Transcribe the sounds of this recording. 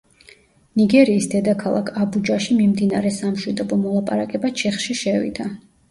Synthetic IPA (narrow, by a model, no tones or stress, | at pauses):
niɡɛɾiːsd̪ɛd̪akʰalˠa̰kʰabud͡ʒaʃimimd̪inaɾɛsamʃwid̪ɔbɔmɔlˠapʼa̰ɾakʼɛbat͡ʃʰɛχʃiʃɛvḭd̪a